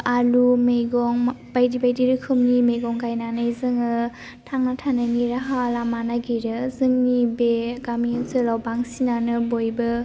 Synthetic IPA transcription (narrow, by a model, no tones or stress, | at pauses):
alumeɡɔŋbajdibajdiɾɯkʰɯmnimeɡɔŋkajnanɯjzɯŋɯ | tʰaŋnatʰananiɾaɦalamanaɡiɾɯzɯŋnibeɡaminsɯlawbaŋsinanɯbojbɯ